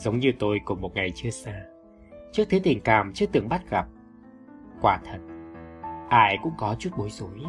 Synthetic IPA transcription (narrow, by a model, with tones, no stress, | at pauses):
zə˨˦wŋ͡mɲɨ˧t̪o˧jkʊ˨˩ŋ͡mmo˨˩t̚ŋa˨˩jt͡ɕɨ˧əsaː˧ | t͡ɕɨ˦˥k̚t̪ʰɨ˨˦t̪ï˨˩ŋ̟kaː˨˩mt͡ɕɨ˦˥ət̪ɨ˨˧˩əŋɓa˦˥t̚ɣa˨˩p̚ | kwaː˧˩t̪ʰə˨˩t̚ | ʔaː˧jkʊ̰˧˥ŋ͡mkɔ˨˦t͡ɕu˦˥t̚ɓo˨˦jzu˨˦j